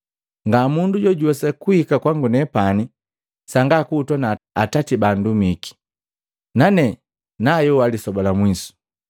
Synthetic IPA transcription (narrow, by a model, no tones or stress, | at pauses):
ŋɡamunduɟɔɟuwɛsakuhikakwaŋɡunɛpani | saŋɡakuːtwɔnaatatibandumiki̥ | nanɛ | najɔwalisɔbɔlamwisu̥